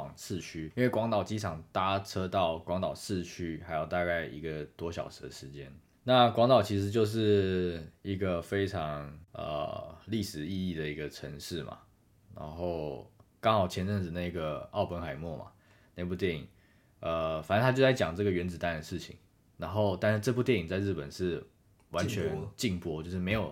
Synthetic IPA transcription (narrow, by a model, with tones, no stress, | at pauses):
ŋsʰɹ̩˥˧t͡ɕʰy˥i˥nwe˥˩kwɑ˧˥ŋt̪ɑ˨˩ʊt͡ɕi˥ʈ͡ʂʰɑ˨˩ŋt̪a˥ʈ͡ʂʰɤ˥t̪ɑ˥˩ʊkwɑ˧˥ŋt̪ɑ˨˩ʊsɹɻ̩˥˩t͡ɕʰy˥xa˧˥ɪjo˥˧ʊt̪a˥˧ka˥˩ɪḭ˧˥ɡə˨t̪wɔ˥ɕjɑ̰˨˩ʊʂɻ̩˧˥d̪ə˨ʂɻ̩˧˦t͡ɕjɛ˦˥n | na˥˨kwɑ˧˥ŋt̪ɑ˨˩ʊt͡ɕʰi˧˥ʂ̬ɻ̩˧˥t͡ɕjo˥˧ʊʂ̬ɻ̩˥˩ | i˧˥ɡə˧fe˥ɪʈ͡ʂʰɑ˧˦ŋə̰˩li˥˩ʂɻ̩˨˩i˥˧i˥˩d̪ə˩i˧˥ɡə˧ʈ͡ʂʰə˧˦˥ŋʂɻ̩˥˩ma̰˩ | ɻa̰˧˥nxo˥˩ʊkɑ˥ŋxɑ˨˩ʊt͡ɕʰjɛ˧˥nʈ͡ʂə˥˩ŋʈ͡ʂ̩˨˩na˥˩i˧ɡə˩ɑ˥˩ʊpə˧˥nxa˨˩ɪmwɔ˥˩ma̰˩ | na˥˧ɪp̬u˥˧t̪jɛ˥˩nḭ˨˩ŋ | ə˨˩fa˨˩nə˧t̪ʰa˥jo˥˧ʊt͡sa˥˩t͡ɕjɑ̰˨˩ŋʈ͡ʂɤ˥˩ɡə˩ɥɛ˧˥nt͡sɹ̩˨˩t̪a˥˩nd̪ə˩ʂ̩˥˩t͡ɕʰḭ˨˩˦ŋ | ɻa˧˥nxo˥˧ʊt̪a˥˧nʂ̩˥˧ʈ͡ʂɤ˥˧p̬u˥˧t̪jɛ˥˩ni˨˩ŋt͡sa˥˧ɪɻɻ̩˥˩pə˨˩nʂɻ̩˥˩ | wa˧˦nt͡ɕʰɥɛ˧˥nt͡ɕi˥˧ŋpwɔ˥t͡ɕjo˥˧ʂɻ̩˥˩me˧˥ɪjo˨˩ʊ